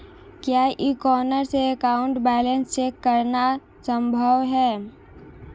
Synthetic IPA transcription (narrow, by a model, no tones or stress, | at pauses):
kjaːʔikɔːnəɾseːkaːʊ̃ɳʈbɛːlenst͡ʃeːkːəɾna | sə̃mbʱəʋɦɛː